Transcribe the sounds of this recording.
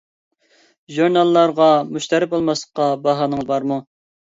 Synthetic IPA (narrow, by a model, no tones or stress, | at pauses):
ʒuɾnɑlˠːɑɾʁɑmuʃt̪ʰɑɾɪp̚bolˠmɑslˠəqːɑbɑɦɑːnəŋzbɑɾmu